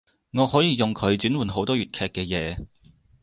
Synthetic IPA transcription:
ŋɔː˨˧hɔː˨˥jiː˨jʊ˨ŋkʰɵ˨˧ɥt͡syː˨˥nwuː˨˩nɦo˨˥wt̪ɔː˥ɥyː˨t̚kʰɛː˧kːɛː˧jɛː˨˧

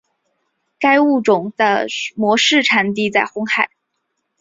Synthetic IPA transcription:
ka˥ɪu˥˩ʈ͡ʂʊ˨˩ŋd̪ə̰˧mwɔ˧˥ʂɻ̩˥˩ʈ͡ʂʰa˨˩nt̪̬i˥˧t͡sa˥˩ɪxʊ˥ŋxa˥˩ɪ

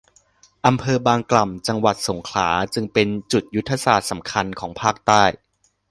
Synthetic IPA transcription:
ʔa˧mpʰɤː˧baː˧ŋkla˨˩mt͡ɕa˧ŋwa˨˩t̪̚so˩˦ŋkʰla̰ː˩˦t͡ɕɯ˧ŋpe˧nt͡ɕu˨˩t̪̚ju˦˥t̪ʰːa˧saː˨˩t̪̚sa˩˦mkʰa˧nkʰɔː˩˦ŋpʰaː˥˩k̚t̪aː˥˩j

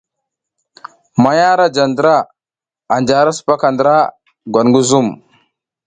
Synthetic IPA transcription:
ma˨ja˦ɾa˦d͡ʒa˨ndə˨ɾa˦˨ | a˨nd͡ʒa˨ɾa˦su̥˨pa˦ka˨ndɾa˦ | ɡwa˨n˨ɡu˦zu˦˨m

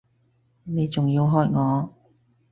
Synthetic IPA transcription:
ne˨˧jt͡sʊ˨ŋjiː˧wɦɔː˧jŋɔː˨˧

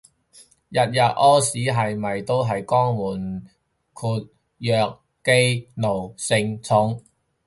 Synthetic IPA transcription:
jɐ˨t̚jɐ˨t̚ʔɔː˥siː˨˥ɦɐ˨jmɐ˨jt̪o˥wɦɐ˨jkɔː˥ŋmuː˨˩n | kʰuː˨˧t̚ | jœː˨˧k̚ | ke˥jno˨˩wsɪ˧ŋt͡sʰʊ˨˧ŋ

